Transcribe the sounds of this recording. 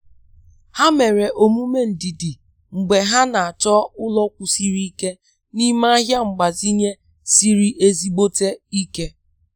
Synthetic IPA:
ha˦me˨ɾe˨ʔo˨mu˦me˦n̩˨dɪ˨dɪ˨ | ŋ͡m̩˨ɡ͡be˨ɦa˦na˨a˨t͡ʃɔ˦ʊ˦lɔ˦kʷʊ˨si˦ɾi˦i˦ke˦ | ni˦ma˦a˦ɦja˦ŋ͡m̩˨ɡ͡ba˨zi˦ɲe˦ | si˦ɾi˦ʔe˦zi˦ɡ͡bo˦te˦i˦ke˦

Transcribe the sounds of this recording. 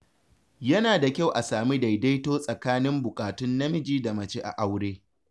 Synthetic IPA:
jɐ˦naː˨da˨kʲa˦wʔa˨saː˨mi˦da˨jda˦jtoː˦sʼɐ˨kaː˦nɪ˦mbʊ˨kʼaː˨tʊ˦nːɐ˦mɪ˦d͡ʒiː˦da˨mɐ˨t͡ʃe˦ʔa̰˨ʔa˦wɽeː˦

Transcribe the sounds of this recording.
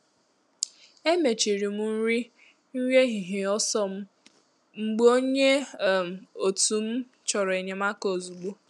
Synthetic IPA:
e˦me˨t͡ʃi˨ɾi˨mu˦n̩˦ɾi˦ | n̩˦wje˦ɦi˨ɦe˨ɔ˦sɔ˦m̩˦ | ŋ͡m̩˨ɡ͡bo˦ɲe˦˨m˨o˨tu˨m̩˦ | t͡ʃɔ˨ɾe˨ɲe˨ma˦ko˨zu˨ɡ͡bo˦

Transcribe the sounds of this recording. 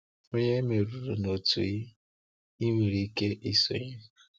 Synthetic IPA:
o˦ɲe˦me˨ɾu˨ɾu˨no˨tṵ˨ji˦ | i˦ŋʷi˨ɾi˨˦ke˦ʔi˦so̰˨ɲi˦˨

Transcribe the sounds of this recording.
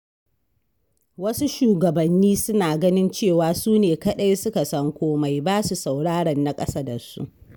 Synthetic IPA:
wɐ˦su˦ʃuː˨ɡɐ˨bɐ˨nːiː˦sʊ˦naː˨ɡɐ˦nɪ˦nt͡ʃeː˦˨waː˨suː˦neː˨kɐ˦˨ɗa˦jsʊ˦ka˨sɐ˦ŋkʷoː˦ma˨jbaː˦su˨sa˨wɽaː˦ɽɐ˨nːa˨kʼɐ˦saː˦da˨sṵ˦ʔ

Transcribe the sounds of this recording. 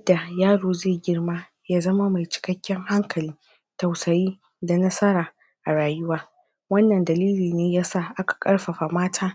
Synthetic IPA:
jɐ˦da˨jaː˦ɽoː˨zeː˦˨ɡʲɪ˦rmaː˦ | jaː˦zɐ˦ma˦ma˨jt͡ʃɪ̥˨kɐ˦kʲːɛ˦ŋha˦ŋkʰɐ˨lɪ˦ŋ | tɐ˨wsɐ˨jiː˦ | da˨nɐ˦sɐ˦ɾaː˨ | ʔa˨ɽaː˨jʊ˦waː˦ | wɐ˦nːɐ˨ndɐ˨liː˦liː˨neː˦ja˦sa˦˨ʔa˦kḁ˨kʼɐ˦ɽɸɐ˨ɸa˨maː˦tʰaː˦

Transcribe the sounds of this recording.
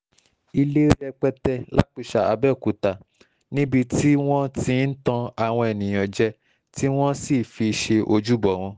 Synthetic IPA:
i˧le˦ɾɛ˧k͡pɛ˧tɛ˧la̰˦k͡pu˦˨ʃa˨a˨˧bɛ˦˨ku˨ta˨ | nĩ˦bi˧ti˦w̃ɔ̃˦tĩ˧˦n̩˦tã˧a˨w̃ɔ̃˧e˨nĩ˨j̃ɔ̃˨d͡ʒɛ˧ | ti˦w̃ɔ̃˦si˦˨fi˧ʃe˧ʔo˧d͡ʒu˦bɔ˨w̃ɔ̃˧

